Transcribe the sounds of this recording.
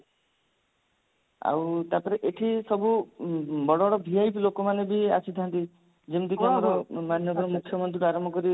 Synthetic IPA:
a̰wt̪apɔɾeʔeʈʰisɔbu | bɔɽɔɽɔbʱiajplokɔmanebia̰sit̪ʰant̪i | d͡ʒemt̪ikamɔɾɔmanjɔbʱɔɾɔmukʰjɔmɔnt̪ɾiɾaɾɔmbʱɔkɔɾi

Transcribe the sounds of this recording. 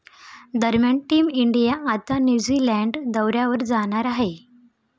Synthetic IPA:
d̪əɾmjaɳʈiːmiɳɖijaʔat̪anjud͡ziːlæɳɖd̪əwɾjaʋəɾd͡zaɽ̃aɾaɦe

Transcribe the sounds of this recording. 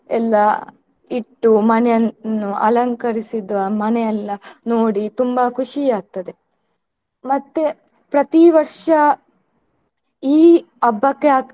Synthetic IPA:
ɛlːɐ | iʈːumɐnɛjɐnːuʔɐ̰lɐŋkɐɾisid̪ʋɐmɐnɛjɐlːɐnoːɽit̪umbɐkʰuʂijaːk̚t̪ɐd̪e | mɐt̪ːe | pɾɐt̪iʋɐɾʂɐ | iː | ɐbːɐkːeaː

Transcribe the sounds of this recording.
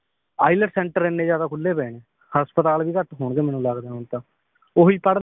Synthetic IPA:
a̰ːɪləʈsɛ̃ːɳʈəɾenːeːd͡ʒjaːd̪aːkʰʊlːeːpɛːneː | həspət̪aːlʋiːkəʈɦoːɳɡeːmɛːnũːlaːɡd̪eaːɦʊnt̪ãː | oːɦiːpəɽ

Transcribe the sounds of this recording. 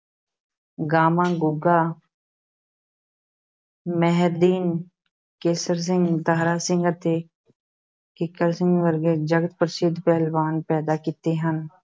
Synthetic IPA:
ɡaːmãːɡʊɡaː | mɛɦd̪iːn | keːsəɾs̬ɪ̃ŋɡt̪aːɦɾaːsɪ̃ŋɡət̪eː | kɪkəɾsɪ̃ŋɡʋəɾɡed͡ʒəɡət̪̚pəɾsɪd̪ʱpɛːlbaːnpɛːd̪aːkɪt̪eːɦən

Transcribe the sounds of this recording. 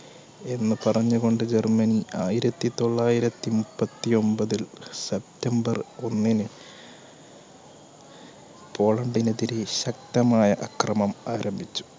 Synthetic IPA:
e̞nːɨpɐrɐɲːuɣo̞ɳɖɨd͡ʑe̞rmɐniaːjiɾɐt̪ːit̪o̞ɭːaːjiɾɐt̪ːimupːɐt̪ːio̞mbɐðilsep̚tembɐro̞nːinɨ | po̞ːɭɐɳɖinɐðiɾeɕɐk̚t̪ɐmaːjɐʔɐkrɐmɐmaːɾɐmbʱit͡ɕːu̥

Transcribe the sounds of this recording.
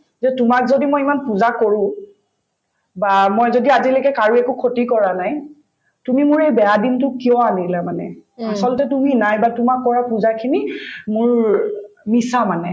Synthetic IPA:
zɛtʊmakzodimojimanpuzakoɹʊ̃ | bamojzodiazilɔkɛkaɹuekukʰotikɔɹanaj | tumimʊɹejbɛadintʊkiɔanilamanɛ̰asɔltɛtuminajbatumakːɔɹapuzakʰinimʊɹ | misamanɛ

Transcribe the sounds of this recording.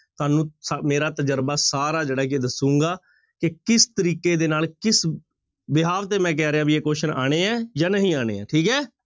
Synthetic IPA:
t̪oaːnũːsmeːɾaːt̪əd͡ʒəɾbaːsaːɾaːd͡ʒeːɽaːked̪əsũːŋɡaː | kɪkɪst̪əɾiːkeːd̪eːnaːlkɪs | bɪɦaːʋt̪eːmɛ̃ːk̬ɛːɾeaːbiːeːkoːʃəna̰ːɽ̃eːɛːjãːnəɦĩːaːɽ̃ḛːɛ̰ːʈʰiːkɦɛː

